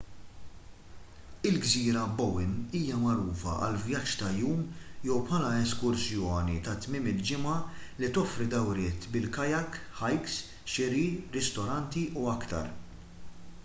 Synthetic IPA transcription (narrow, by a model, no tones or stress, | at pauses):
ɪlɡziːɾɐbɔwɪniːjɐmɐɾuːfɐ̰ʔɐ̰lvjɐt͡ʃːt̪ɐjuːmjɛwpʰħɐlɐɛskʊɾsjɔːnit̪ɐt̪mɪːmɪld͡ʒɪmɐlit̪ɔfɾid̪ɐwɾɪːt̪bɪlkɐjɐk | ħɐjks | ʃɪɾiɾɪst̪ɔɾɐnt̪iuɐkt̪ɐ̰ɾ